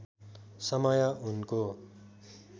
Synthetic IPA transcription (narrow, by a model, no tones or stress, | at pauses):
sʌmʌjʌʔunko